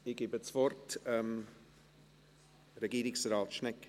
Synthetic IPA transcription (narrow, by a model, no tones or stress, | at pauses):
ɪɡ̥ɪbət͡svɔrtɛm | ɾɛɡiːɾɪksraːtʃnɛk